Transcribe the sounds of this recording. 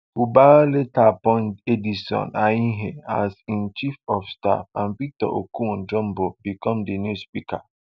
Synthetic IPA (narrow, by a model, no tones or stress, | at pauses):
fubaletapɔ̃nedisɔ̰̃naĩɦɛ̃asĩnt͡ʃifɔfsta̰fãnpitɔ̰ʔo̰kũnd͡ʒɔ̃mbobikɔ̃mdenjuspika̰